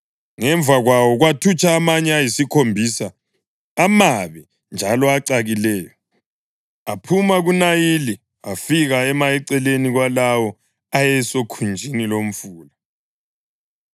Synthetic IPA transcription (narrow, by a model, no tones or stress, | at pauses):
ŋɛɱbvʱaɣwawɔɣwatʰut͡ʃʼaːmaɲɛajisikʰombʱisaː | maβɛ | nd͡ʒʱalɔaǀaɣilɛːjɔ | apʰumaɣunajili | afiɣaɛmaɛǀɛleniɣwalawɔ | ajɛsokʰund͡ʒʱinilom̩fuːla